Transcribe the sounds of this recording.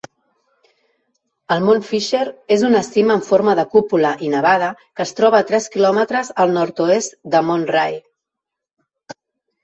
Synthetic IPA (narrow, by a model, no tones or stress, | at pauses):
əlˠmonfiʃeɾezunəst̪iməːɱfoɾməðəkupuləʔinəβ̞að̞əkəːst̪ɾɔβ̞əːt̪ɾɛskilɔmət̪ɾəzəlˠnɔɾt̪uest̪d̪əmonraj